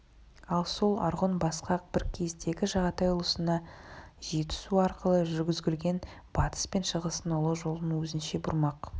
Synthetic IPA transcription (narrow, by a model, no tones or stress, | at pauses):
ɑlˠso̞lˠɑ̰ɾʁonbɑsqɑq̚b̥ɪɾkʲʰest̪e̞ɡʲɪʒɑʁɑt̪ɑjʊlˠəsənɑʒe̞t̪ɪ̥suɑɾqəlˠəʒʏɾɡʲɪzɡʲɪlɡʲe̞n | b̥ɑt̪ə̥spe̞nʃəʁəsənolˠəʒo̞lˠənwɵzɪnʃe̞bʊɾmɑq